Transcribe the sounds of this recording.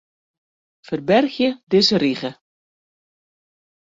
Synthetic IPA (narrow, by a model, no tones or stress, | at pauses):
fərbɛrxjədɪzəriɣə